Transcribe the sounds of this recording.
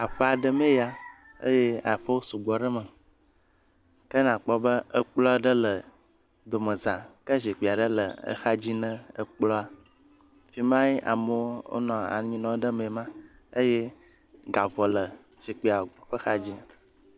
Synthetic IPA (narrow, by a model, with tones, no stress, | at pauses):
a˨ɸə˦a˨ɖə˦mẽ˦ja˦ | ə̰˦je˦a˨ɸə˦wo˦su˨ɡ͡bɔ˨ɖə˦mə˨ | kə˦nã˨k͡pɔ˦bə˦ə˦k͡plɔ˦ɖə˦lə˨ | d̪o˨mə̃˨zã˨kə˦zi˨k͡pi˨a˨ɖə˦lə̰˨ə̰˨xa˦d͡ʑi˦nə̃˦ə̰˨k͡plɔ˦a˨ | fi˨mã˦ji˦ʔa̰˨mə˦o̰˦nɔ̃˨a̰˨ɲĩ˦nɔ̃˨˦ɖə˦mẽ˨mã˦ | ə˦je˦ | ɡa˨vɔ˨lə˨ | z̥i˨k͡pi˨a˨ɸə˦xa˦d͡ʑi˦